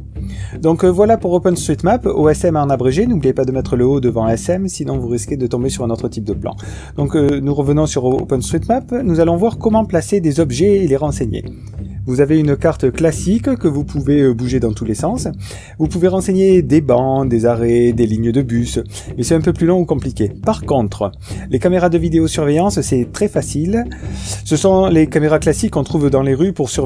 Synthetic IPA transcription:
d̪ɔ̃kvwalapuʁopɛ̃nst̪χit̪mapo̰ɛsɛmaɑ̃nabʁeʒenublijepad̪əmɛt̪χələod̪əvɑ̃ɛsɛmsinɔ̃vuʁiskʲed̪ət̪ɔ̃besyʁɛ̃not̪χət̪ip̚d̪əplɑ̰̃ | d̪̥ɔ̃knuʁəvənɔ̃syʁo̰pɛ̃nst̪χit̪mapnuzalɔ̃vwaʁkɔmɑ̃plased̪ezɔbʒɛeleʁɑ̃seɲḛ | vuzaveynkaʁt̪klasikkəvupʰuveøbuʒed̪ɑ̃t̪ulesɑ̃s | vupuveʁɑ̃seɲed̪ebɑ̃d̪ezaʁed̪eliɲəd̪əbys | mɛsɛt̪ɛ̃pøplylɔ̃ukɔ̃plikʲepaʁkɔ̃t̪χə | lekameʁad̪əvid̪eosyʁvejɑ̃ssɛt̪χɛfasil | səsɔ̃lekameʁaklasikːɔ̃t̪χuvd̪ɑ̃leʁypuʁsyʁ

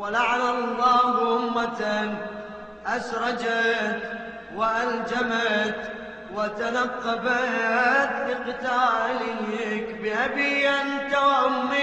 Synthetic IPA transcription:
walaʕanalˤːɑːhʔʊmːat̪a | ʔasɾˤɑd͡ʒat̪ | waʔald͡ʒamat̪ | wat̪anɑqːɑbat̪bɪqɨt̪aːʔlɪkbɪʔabiːʔant̪awaʔʊmːi

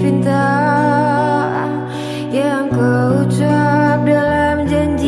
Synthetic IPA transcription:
fint̪a | jaŋkəut͡ʃap̚dalamd͡ʒaɲd͡ʒi

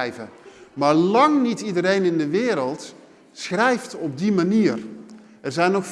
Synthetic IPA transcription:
jvəmaːɹlɑŋnitidəɾejnɪndəʋɪːɾəlˠt | sχrɛjftɔb̚dimaniːr | ɛɹzɛjnoxf

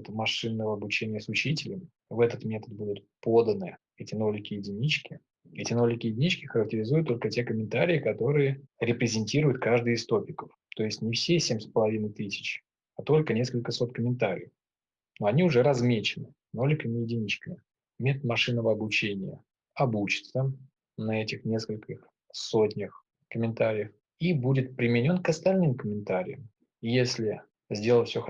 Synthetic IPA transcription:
t̪mɐʂɨnːəvəɐbʊt͡ɕenʲɪjəsʊt͡ɕitʲɪlʲɪm | vɛt̪ət̪mʲe̞t̪ət̪̚bud̪ʊt̪̚ | po̞d̪ənɨ | ɛtʲɪno̞lʲɪkʲɪjɪdʲɪnʲit͡ɕkʲɪ | ɛtʲɪno̞lʲɪkʲɪjɪdʲɪnʲit͡ɕkʲɪxəɾək̚tʲɪɾʲɪzujʊt̪ːo̞lʲkətʲe̞kəmʲɪnt̪aɾʲɪɪkɐt̪o̞ɾɨjəɾʲɪpɾʲɪzʲɪnʲtʲiɾʊjʊt̪kaʐd̪ɨɪst̪o̞pʲɪkəf | t̪o̞ɪsʲtʲnʲɪfsʲesʲemʲspəlˠɐvʲinəjt̪ɨsʲɪ̥t͡ɕ | at̪o̞lʲkənʲe̞skəlʲkəso̞t̪̚kəmʲɪnt̪aɾʲɪ̰j | noɐnʲiʊʐɛɾɐzmʲet͡ɕɪnɨ | nolʲɪkəmʲɪjɪdʲɪnʲit͡ɕkəɪ | mʲet̪t̪mɐʂɨnːəvəɐblˠʊt͡ɕenʲɪjə | ɐbut͡ɕɪ̥t̪sə | nɐɛtʲɪxnʲeskəlʲkʲɪx | sotʲnʲɪx | kəmʲɪnt̪aɾʲɪjəx | ibudʲɪt̪̚pɾʲɪmʲɪnʲo̞nkəst̪ɐlʲnɨmkəmʲɪnt̪aɾʲɪ̰jəm | ijesʲlʲɪ | zʲdʲe̞lˠəfʲsʲox

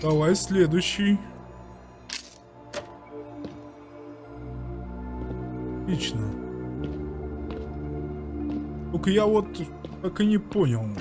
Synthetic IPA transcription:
d̪ɐvˠajsʲlʲed̪ʊjɕːɪj | lʲit͡ɕnə | t̪okjavot̪ | kakɨnʲɪponʲɪlˠ

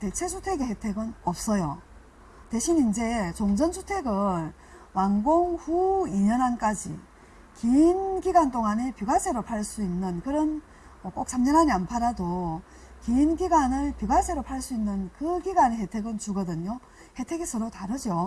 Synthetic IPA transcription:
te̞t͡ɕʰe̞sʰutʰweɡehetʰe̞ɡɯnʌp̚s͈ʌjo | teɕʰinind͡ʑe̞t͡ɕoŋd͡ʑʌnsʰu̥tʰe̞ɡɯn | waŋɡoŋɸuiɲʌnank͈ad͡ʑḭ | kiːnɡiɡwant͈oŋanepjuɡasʰe̞ɾopʰaɭs͈uinːɯnkɯɾʌn | ʌk͈ok̚s͈ʰamɲʌnɦaɲianpʰaɾado | kiinɡiɡwanɯɭpjuɡasʰeɾopʰaɭs͈uinːɯnkɯɡiɡwaneɦetʰe̞ɡɯnt͡ɕuɡʌdɯɲo | he̞tʰe̞ɡesʰɯɾotaɾɯd͡ʑo

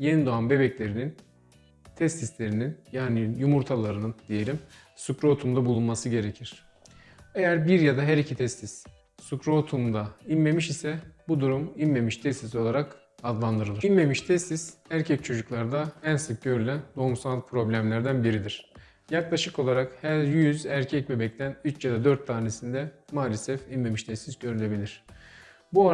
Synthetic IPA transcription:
je̞nid̪oanbe̞bɛclʲe̞ɾinin | t̪ʰɛst̪islʲe̞ɾininjaːnijumuɾt̪ʰalˠaɾɯnɯnd̪̥ije̞lʲim | sukɾuot̪ʰumd̪abulˠunmasɯɟe̞ɾecʰiɾ̥ | e̞jæɾbiɾjad̪aɦæɾicʰit̪ʰɛst̪ʰis | sukɾuot̪ʰumd̪ainme̞miʃisɛbud̪uɾuminːe̞miʃt̪ʰɛst̪iso̞lˠaɾak | ad̪lˠand̪ɯɾɯlˠɯnme̞miʃt̪ʰɛst̪isæɾcʰɛc̚t͡ʃʰo̞d͡ʒuklˠaɾd̪aænsɯk̚ɟø̞ɾylʲænd̪o̞umsant̪̚pʰɾo̞blʲæmlʲæɾd̪ænbiɾid̪iɾ̥ | jaklˠaʃɯko̞lˠaɾakhæɾjyzæɾcʰɛc̚be̞bɛc̚t̪ʰænyt͡ʃjad̪ad̪øɾt̪ʰːaːne̞sind̪ɛmaːlʲesɛfinme̞miʃt̪ʰɛst̪isɟøɾylʲe̞bilʲiɾ̝̥ | bua

